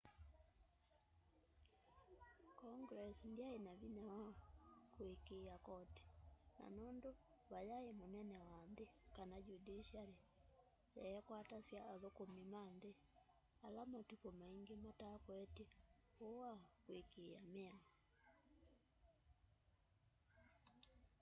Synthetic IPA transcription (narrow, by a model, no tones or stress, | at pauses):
kɔŋɡɾɛsndiaenaβiɲawakwekeakɔti̥na̰nɔndo | βajaemonɛnɛwanðekanaɟudiʃale | jɛɛkwatasjaːðokomimanðe | alamatukɔmaiŋɡematakwɛteowakwekeamea